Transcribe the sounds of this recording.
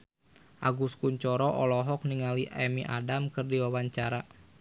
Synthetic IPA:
ʔaɡuskuɲt͡ʃɔɾɔʔɔlɔɦɔk̚niŋaliʔɛmiʔa̰damkɨrdiwawaɲt͡ʃaɾa

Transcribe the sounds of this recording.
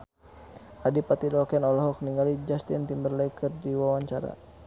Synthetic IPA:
adipat̪idɔlkɛnɔlɔɦɔk̚niŋɡalid͡ʒast̪int̪imbərlɛikʰərdiwawaɲt͡ʃaɾa̰

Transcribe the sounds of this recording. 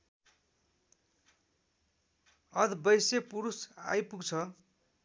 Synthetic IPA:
ʌd̪bʌjsepuɾusa̰jpuɡt͡sʰʌ

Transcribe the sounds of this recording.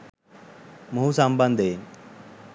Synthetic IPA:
muusamband̪ʱe

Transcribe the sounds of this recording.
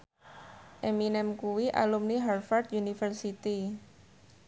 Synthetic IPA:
ʔeminɛmkuwiʔa̰lumniɦarfard̪̚junifərsit̪i

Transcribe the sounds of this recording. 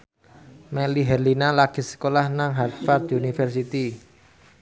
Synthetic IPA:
mɛliɦɛrlinalaɡ̥i̤sə̥kolahnaŋɦat̪fard̪unifɛrsit̪i

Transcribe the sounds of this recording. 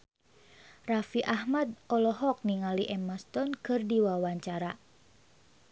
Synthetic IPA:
rafiʔahmad̪̚ɔlɔɦɔk̚niŋaliʔɛmast̪ɔnkɨrdiwawaɲt͡ʃaɾa

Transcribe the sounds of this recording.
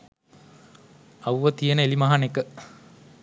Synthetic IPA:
ɐwʋət̪ijənəelimaɦanekə

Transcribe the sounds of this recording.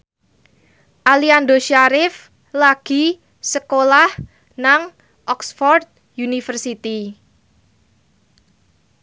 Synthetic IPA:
ʔaliandoʃaɾɪf | laɡ̥i̤ | səkolah | naŋ | ʔɔksfɔrt̪̚ | junifərsit̪i

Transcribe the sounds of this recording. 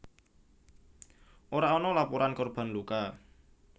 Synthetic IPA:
ʔoɾaɔnɔlapuɾankɔrb̥a̤nluka

